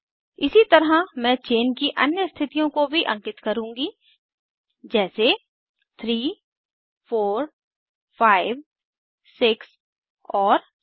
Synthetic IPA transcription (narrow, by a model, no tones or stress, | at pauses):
ɪsit̪ɐɾamɛ̃ːt͡ʃeːnkiʔɐ̰njəst̪ʰɪt̪ijõkobʱiʔɐ̰̃ŋkɪt̪kɐɾũːŋɡi | d͡ʒɛːse | t̪ʰɾiː | foːɾ | faːɪʋ | sɪks | ɔːɾ